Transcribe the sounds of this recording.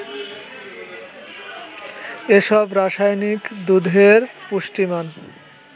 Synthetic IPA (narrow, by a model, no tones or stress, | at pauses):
eʃɔbɾaʃajnikd̪ud̪ʱeɾpuʃʈiman